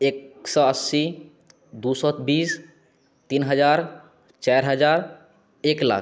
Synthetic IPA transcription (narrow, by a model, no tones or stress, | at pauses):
eksɔəsːi | d̪usɔt̪bis | t̪inɦəd͡ʒaɾ | t͡ʃaɾɦəd͡ʒaɾ | ekla̰k